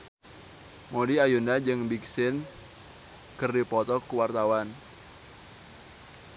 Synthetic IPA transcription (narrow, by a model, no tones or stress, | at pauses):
modiajundad͡ʒɨŋbik̚sɪn | kərdipɔt̪ɔkuwart̪awan